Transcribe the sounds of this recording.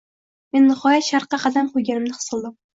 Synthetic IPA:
menːɨχɒjat̪ʃaɾqːɑqʰɑd̪amqʰʊjɡʲanɪmnɪχɨ̥sɨlˠd̪ɨm

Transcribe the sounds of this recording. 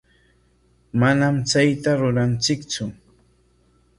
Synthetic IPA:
manamt͡sajt̪aɾʊɾant͡sɪkt͡sʊ

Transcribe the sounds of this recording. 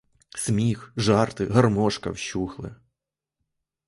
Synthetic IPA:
sʲmʲixʒɑrt̪ɪɦɐrmɔʃkɐ̰wʃuxlˠɪ̰

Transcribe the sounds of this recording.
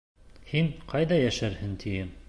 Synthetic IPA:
hiŋqʰɑjðɑjæʃæɾhɘnt̪ʰijɘm

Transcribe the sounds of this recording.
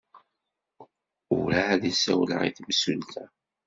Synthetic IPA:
ʊɾaːðisæwlə̰ʁḭθmsult̪æ

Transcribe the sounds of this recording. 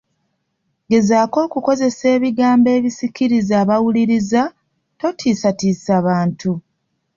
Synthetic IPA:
ɡe̞zaːko̞ːkuko̞ze̞se̞ːβiɡaːmbe̞ːβisikiɾizaːβawuliɾiza | to̞tʰiːsatiːsaːβaːntu

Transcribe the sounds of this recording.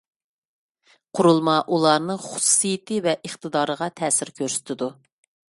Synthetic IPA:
qʰʊɾulˠmɑʔulˠɑɾnɨχʊ̥su̥sijɪt̪ʰɨvɛʔəχt̪ʰɨd̪ɑːɾəʁɑt̪ʰɛːsɪɾkʲʰøɾsɪ̥t̪ʰɪd̪u

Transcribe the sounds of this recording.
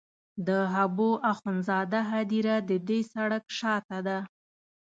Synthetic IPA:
d̪əɦaboʔaxʊnzɑd̪aɦad̪iɾad̪əd̪esaɽakʃɑt̪ad̪a

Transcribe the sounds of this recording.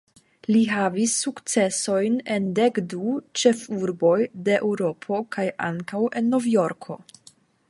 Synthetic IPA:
liɦavisːukt͡se̞so̞jne̞nde̞kdut͡ʃe̞fuɾbo̞jde̞ʔewɾo̞pʰo̞kʰaja̰ŋkawʔe̞nːo̞vjo̞ɾkʰo̞̰

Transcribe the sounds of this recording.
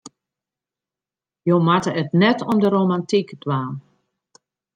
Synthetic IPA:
jomatəətnɛtɔmdəɾoːmantikdwaːn

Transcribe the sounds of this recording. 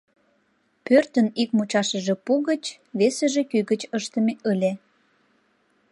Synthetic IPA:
pørt̪ənikmut͡ɕɑʃəʒĕpuɣət͡ɕ | βesə̆ʒekyɣət͡ɕəʃt̪əmeʔəlʲe

